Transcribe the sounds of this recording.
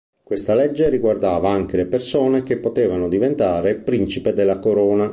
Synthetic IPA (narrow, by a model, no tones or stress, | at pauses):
kwest̪alɛd͡ʒːeriɡward̪aːvaaŋk̟elepersoːnek̟epːot̪eːvanod̪ivent̪aːɾepɾint͡ʃiped̪elːakoɾɔːna